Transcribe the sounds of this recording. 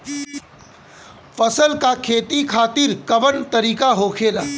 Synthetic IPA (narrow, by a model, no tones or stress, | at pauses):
fəsəlkakʰeːt̪ikʰaːt̪iɾkɐʋəɽt̪ɐɾiːkaɦoːkʰeːlaː